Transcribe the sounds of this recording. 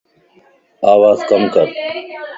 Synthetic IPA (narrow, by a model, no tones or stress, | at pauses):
aːwaːzkɐmkɐɾ